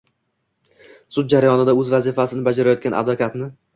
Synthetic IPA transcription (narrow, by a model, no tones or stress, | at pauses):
sʊd̪̚d͡ʒaɾajɒnɪd̪aɵzvazɪfasɪnɪbad͡ʒaɾajɒt̪kʲanʔa̰d̪vakʰʲat̪nɪ